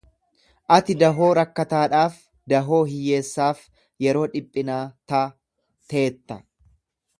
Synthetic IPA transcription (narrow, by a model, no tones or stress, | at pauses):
ʔɐt̪ɪd̪ɐɦo̞ːɾɐkːɐt̪aːᶑaːf | d̪ɐɦo̞ːɦɪjːe̞ːsːaːf | jɛɾo̞ːᶑɪpʼːɪnaːt̪aː | t̪eːt̪ːɐ